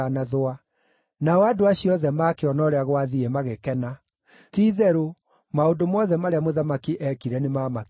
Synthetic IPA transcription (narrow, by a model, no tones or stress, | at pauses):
anaðoa | naɔadoaɕiɔðɛmaːkeɔnɔɾɛaɣwaðiɛmaɣekɛna | tiːðɛɾo | maondomɔðɛmaɾeamoðamakiʔɛkiɾɛnemamak